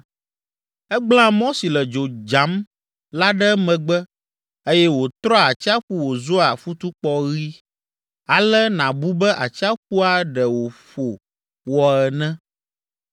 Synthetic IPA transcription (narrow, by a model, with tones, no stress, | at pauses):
ɛ˦ɡ͡bl̃ã˦mɔ̃˦si˨lɛ˨d͡ʒo˨d͡ʒa˨˦m | la˦ɖɛ˦mɛ̃˨ɡ͡bɛ˦ | e˦jɛ˦wo˨t̪ɾɔ˦a˨t͡ʃi˦a˦ɸu˦wo˨zo˦a˨fu˦t̪u˦k͡pɔ˦ɣi˦ | a˨lɛ˦nã˨bu˦bɛ˦ʔa˨t͡ɕi˦a˦ɸu˦a˦ɖɛ˨wo˨ɸo˨ | wɔ˨ɛ˨nɛ̃˦